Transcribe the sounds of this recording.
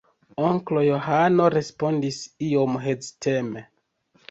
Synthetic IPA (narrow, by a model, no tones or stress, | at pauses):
oŋklo̞jo̞ɦano̞ɾe̞spo̞ndisio̞mɦeztʰe̞me̞